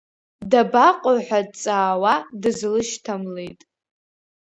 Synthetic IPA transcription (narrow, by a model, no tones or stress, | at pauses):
dabaqʷʼʊħʷᶣadt͡sʼaːwadɨzlɨʃtʰamlejtʼ